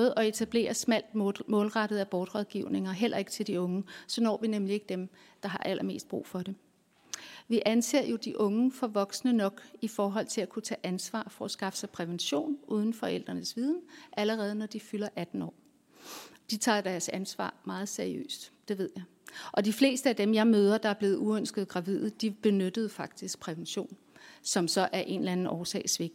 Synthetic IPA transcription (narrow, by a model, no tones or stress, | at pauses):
ð̩ˠɒ̽e̝t͡sʰæb̥le̝̰ːɐsmæl̰d̥mɔ̽ːlʁɑ̈ɾ̥əð̩ˠæb̥ɒːd̥ʁɒðˠɡ̥iʊ̰ne̝ŋɐɦel̰ʔɐe̝ɡ̥t͡sʰe̝ld̥iɔ̽ŋəsɒ̽nɒ̰ːʋinemlie̝ɡ̥əd̥em | d̥ɑ̈ɦɑ̈ʔælʔɐme̝̰ːsd̥̚b̥ʁṵːfɒ̽ɾe̝ | ʋiʔænse̝̰ɐ̰jo̝d̥iʔɔ̽ŋəfɒ̽ʋɒ̽ɡ̥snənɒ̽ɡ̥ifɒːɦɒ̽l̰t͡sʰe̝lækʰut͡sʰɛ̰ːʔænsʋɑ̰̈ːfɒ̽æsɡ̥ɑ̈fə̥sɑ̈ɪpʰʁɛʋenɕo̝̰ːnʔuːð̞ˠn̩fɒ̽el̰d̥ʁɐnəsʋið̞ˠn̩ʔæləʁɛːð̞ˠənɒd̥ifylɐʔæd̥n̩ɒ̰ː | d̥it͡sʰɑ̰̈d̥æɐsænsʋɑ̰̈ːmɑ̈ːð̞̩ˠseɐiø̰ːsd̥d̥e̝ʋe̝ð̞̰ˠjɑ̈ɪ | ʔɒ̽difle̝̰ːsd̥əæd̥emjɑ̈ɪmøːð̞ˠɐd̥ɑ̈æɐb̥le̝ːð̞̩ˠuønsɡ̥əð̩ˠɡ̥ʁɑ̈ʋið̰ˠd̥ib̥e̝nød̥əð̩ˠfɑ̈ɡ̥̚d̥isɡ̥̚pʰʁɛʋenɕo̝̰ːn | sɒ̽msɒ̽ʔæɐʔe̝nlænn̩ʔɒːsɛ̰ɪsʋe̝ɡ̥̚